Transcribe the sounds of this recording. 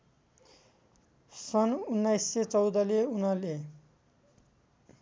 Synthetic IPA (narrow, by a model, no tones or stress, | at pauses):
sʌnunːajsːet͡sʌwd̪ʌleunʌle